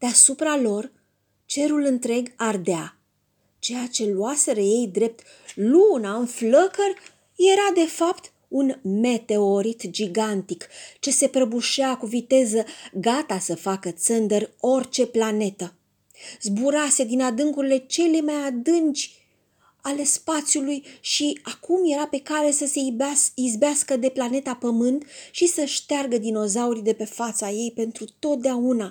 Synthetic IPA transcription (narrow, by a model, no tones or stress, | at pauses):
d̪̥easupɾalo̞r | t͡ʃe̞ɾulɨnt̪ɾe̞ɡard̪ea | t͡ʃe̞jat͡ʃe̞luase̞ɾəje̞jd̪ɾe̞p̚t̪ | lunaɨnfləkərʲ | je̞ɾad̪e̞fapt̪ | unme̞t̪e̞oɾit̪d͡ʒiɡant̪ikt͡ʃe̞se̞pɾəbuʃeakuvit̪e̞zəɡat̪asəfakət̪sənd̪ərʲo̞rt͡ʃe̞plane̞t̪ə | zbuɾase̞d̪inad̪ɨŋkuɾile̞t͡ʃe̞le̞majad̪ɨnt͡ʃʲ | ale̞spat̪sʲjulujʃiakumje̞ɾape̞kaɾe̞səseizbeaskəd̪e̞plane̞t̪apəmɨnt̪ʃisəʃt̪earɡəd̪ino̞zauɾid̪e̞pe̞fat̪saje̞jpe̞nt̪ɾut̪o̞t̪̚d̪eauna